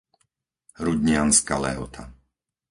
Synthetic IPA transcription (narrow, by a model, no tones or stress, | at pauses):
ɾuɟ̪ɲɪanska̰lɛ̰ɦɔt̪ʰa